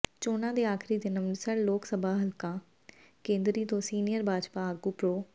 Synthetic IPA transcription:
t͡ʃoːnãːd̪eːaːkʰɾiːd̪enəmd̪sənloːksəbʱaːɦəlkãː | kẽːnd̪ɾiːt̪õːsiːnɪjəɾbaːd͡ʒpaːaːɡuːpɾoː

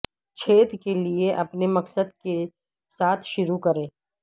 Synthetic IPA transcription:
t͡ʃʰeːt̪kelieʔɐpnemɐksəd̪ke | saːt̪ʰʃʊɾukɐɾẽː

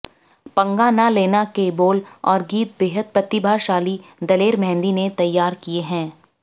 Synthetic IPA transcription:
pɐ̃ŋɡanaleːnakeboːlɔːɾɡiːt̪̚beːɦəd̪̚pɾɐt̪ɪbʱaʃaːlid̪ɐleːɾmɛ̃ːnd̪inet̪ɐjːaːɾkieɦɛ̃ː

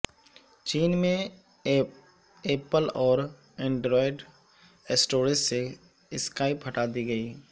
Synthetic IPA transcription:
t͡ʃiːnmẽ | eːpəlɔːɾ | ɛ̃ːɳɖɾɔːɪɖ | esʈoːɾɪsse | ɪskaːɪpɦɐʈaːd̪iɡəiː

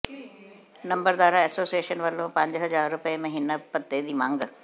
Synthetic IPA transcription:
nɐ̃mbəɾd̪aːɾãɛːsoːsijeːʃənʋɐlõpɐ̃ɲd͡ʑɦɐzaːɾːʊpemẽɦɪnəpɐt̪ːed̪iːmãːŋɡ

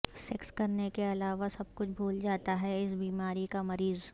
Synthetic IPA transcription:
sɛkskɐɾnekeɐlaːʋasɐb̚kʊt͡ʃʰbʱuːld͡ʒaːt̪aɦɛɪsbiːmaːɾikamɐɾiːz

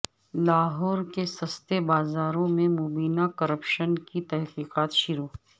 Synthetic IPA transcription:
laːɦɔːɾkesɐst̪ebaːzaːɾõmẽmoːbiːnakɐɾəpʃənkit̪ɛɦqiːqaːt̪ʃʊɾoː

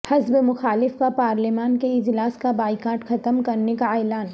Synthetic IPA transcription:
hɐzbemʊxaːlɪfkapaːɾlɪmaːnkeɪd͡ʒlaːskabaːɪkaːɾʈxɐt̪əmkɐɾnekaɛːlaːn

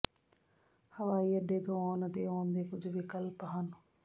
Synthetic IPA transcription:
həʋaːiːəɖeːt̪õːɔːnət̪eːoːnd̪eːkʊd͡ʒʋikəlpɦən

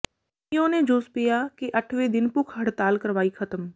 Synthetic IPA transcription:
ɪõːned͡ʒoːspijakiʔɐʈʰwed̪ɪnpʊkʰɦɐɽt̪aːlkəɾʋaːikʰɐt̪əm

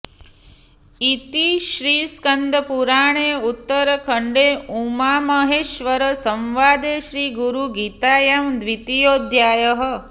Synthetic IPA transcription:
it̪iʃɾiːskənd̪ʱəpuɾaːɳeːut̪ːəɾəkʰəɳɖeːumaːməɦeːʃʋəɾəsəmʋaːd̪eːʃɾiːɡuɾuɡiːt̪aːjamd̪ʋit̪ijoːd̪ʱjaːjəɦə̆

